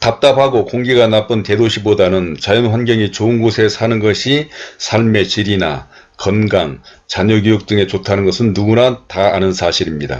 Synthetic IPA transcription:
tap̚t͈apʰaɡokoŋɡiɡanap͈ɯnte̞doɕʰibodanɯnt͡ɕajʌnɸwanɡjʌŋit͡ɕoɯnɡosʰe̞sʰanɯnɡʌɕʰisʰaɭme̞t͡ɕiɾina̰ | kʌnɡaŋ | t͡ɕaɲʌɡjojuk̚t͈ɯŋe̞t͡ɕotʰanɯnɡʌsʰɯnːuɡunataanɯnsʰaɕʰiɾimɲida̰

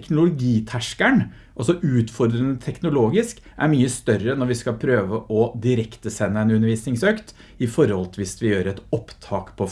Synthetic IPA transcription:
knʊlʊɡiːt̪ʰæʂkæɳ | ʔɑlsɔʔʉːt̪fɔɾd̪ɾənət̪ʰɛknʊloːɡɪsk | ʔæ̰ɾmyːəst̪œɾənɔɾʋɪskɑlpʰɾøːʋəʔɔd̪ɪɾɛkt̪əsɛnːəɛnʉnːəɾʋiːsnɪŋsøːkt̪ | ɪfɔɾhɔlt̪ʰʋɪsʋɪjøːɾɛt̪ɔpt̪ʰɑːkpʰɔ

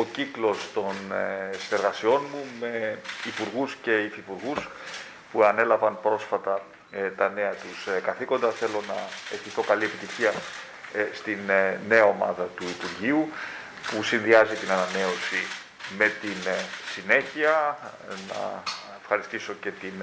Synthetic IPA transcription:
o̞ciklo̞st̪o̞nsine̞ɾɣɐsio̞nmume̞ipuɾɣusce̞ifipuɾɣus | puɐne̞lɐvɐnpɾo̞sfɐt̪ɐ | t̪ɐne̞ɐt̪uskɐθiko̞nd̪ɐθe̞lo̞nɐeçiθo̞kɐlie̞pit̪içiɐ | st̪inne̞ɐo̞mɐ̰ðɐt̪uipuɾʝiu | pusinðiɐzit̪inɐnɐne̞o̞si | me̞t̪insine̞çiɐ | nɐ̰efxɐɾist̪iso̞ce̞t̪in

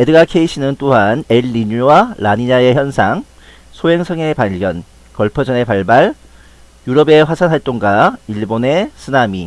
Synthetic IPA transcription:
edɯɡakʰe̞iɕʰinɯnt͈oɦaneɭːiɲuwalaɲiɲae̞çjʌnsʰaŋ | sʰoɦe̞ŋsʰʌŋe̞paʎɡjʌn | kʌɭpʰʌd͡ʑʌne̞paɭbaɭ | juɾʌbe̞ɸwasʰanɦaɭt͈oŋɡaiɭbone̞sʰɯnami

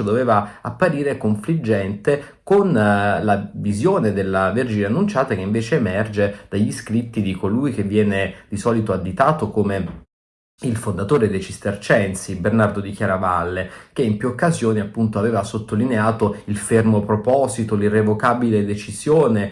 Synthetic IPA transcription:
od̪oveːvaapːaɾiːɾekoɱflid͡ʒːɛnt̪e | konlavizjoːned̪elːaverd͡ʒineanːunt͡ʃaːt̪akeiɱveːt͡ʃeːmɛrd͡ʒed̪̥aʎːiskɾit̪ːid̪ikolujk̟evːjɛːned̪̥isɔːlit̪oad̪ːit̪aːt̪okoːme | ilfond̪at̪oːɾed̪et͡ʃist̪ert͡ʃɛnsibernard̪od̪ikjaːɾavalːekeimpjuokːazjoːniapːunt̪oaveːvasot̪ːolineaːt̪oilfermopɾopɔːzit̪olirevokaːbiled̪et͡ʃizjoːne

